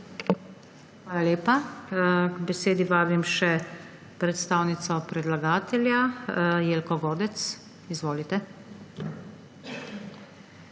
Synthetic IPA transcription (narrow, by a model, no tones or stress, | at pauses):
xʋaːlalʲeːpa | ɡbɛseːd̪iʋaːbimʃɛ | pɾɛt̪st̪aːwnit̪sɔpɾɛd̪laɡaːt̪ɛljajeːlkɔʋoːd̪ɛt̪s | izʋoːlit̪ɛ